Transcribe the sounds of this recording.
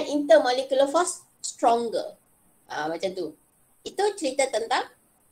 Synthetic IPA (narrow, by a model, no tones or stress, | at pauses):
ɛnint̪əmɔlekuləfɔs | st̪ɾɔ̃ŋɡə̰ | ʔə̃mat͡ʃamt̪u | it̪ut͡ʃəɾit̪ət̪ənt̪ãŋ